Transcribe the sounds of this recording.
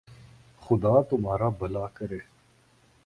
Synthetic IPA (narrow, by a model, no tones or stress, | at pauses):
xʊd̪aːt̪ʊmaːɾaːbɐlaːkəɾeː